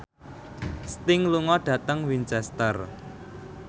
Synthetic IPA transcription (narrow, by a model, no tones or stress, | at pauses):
st̪ɪŋluŋɔɖ̥ä̤t̪əŋwint͡ʃɛst̪ər